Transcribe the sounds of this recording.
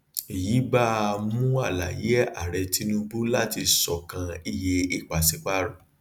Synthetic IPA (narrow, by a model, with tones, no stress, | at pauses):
i˨ji˨˦ba˦a˧mũ˦a˦˨la˨je˨˦a̰˦˨ɾɛ˧ti˦nũ˦bu˦la˦ti˧sɔ˨kã˧i˧je˧i˦˨k͡pa˨si˨˦k͡pa˦ɾɔ˦˨